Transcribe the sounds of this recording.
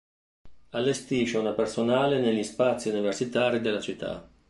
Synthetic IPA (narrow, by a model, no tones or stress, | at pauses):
alːest̪iːʃeunapersonaːleneʎːispat̪sːiuniversit̪aːɾid̪elːat͡ʃit̪ʰːa̰